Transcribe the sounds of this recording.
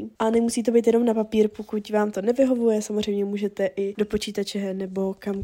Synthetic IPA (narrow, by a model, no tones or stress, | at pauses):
ʔanɛmusiːt̪obejt̪jɛno̞mnapapiːɾpokucvaːmt̪o̞nɛvɪɦo̞vujɛsamozr̝ejmɲɛmuːʒɛt̪ɛʔɪdo̞po̞t͡ʃiːt̪at͡ʃɛnɛbo̞kam